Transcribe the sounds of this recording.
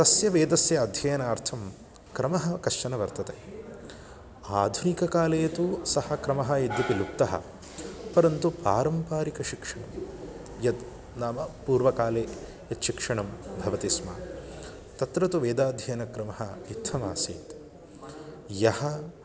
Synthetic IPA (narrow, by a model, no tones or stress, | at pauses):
t̪ɐsjɐʋeːd̪ɐsjɐːd̪ʱjɐjɐnaːɾt̪ʰɐm | kɾɐmɐɦɐ̆kɐʂt͡ʃɐnɐʋɐɾt̪ɐt̪e | aːd̪ʱunikɐkaːleːt̪usɐhɐkɾɐmɐɦɐid̪jɐpilupt̪ːɐɦɐ̰ | pɐɾɐnt̪upa̰ːɾɐmpaːɾikɐʃikʂɐɳɐm | jɐd̪ | naːmɐpuːɾʋɐkaːleː | jɐt̪ʃikʂɐɳɐmbʱɐʋɐt̪isma̰ː | t̪ɐt̪ɾɐt̪uʋeːd̪aːd̪ʱjɐjɐnɐkɾɐmɐɦɐit̪ʰːɐma̰ːsiːt̪ | jɐhɐ